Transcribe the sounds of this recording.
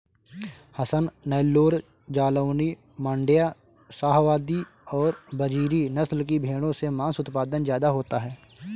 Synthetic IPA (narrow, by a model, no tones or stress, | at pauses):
hɐsənːɛːlːoːɾ | d͡ʒaːləːni | mə̃ɳɖɪjaː | saːɦʋaːd̪i | ɔːɾbɐd͡ʒiːɾinɐslk̬ibʱeːɽ̃õsemãːsʊt̪paːd̪ənzjaːd̪aɦoːt̪aɦɛː